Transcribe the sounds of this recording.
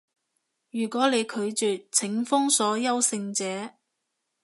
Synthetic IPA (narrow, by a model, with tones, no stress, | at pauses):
jyː˨˩kʷɔː˨˥le˨˧jkʰɵ˨˧ɥt͡syː˨t͡sʰɪ˨˥ŋfʊ˥ŋsɔː˨˥jɐ˥wsɪ˧ŋt͡sɛː˨˥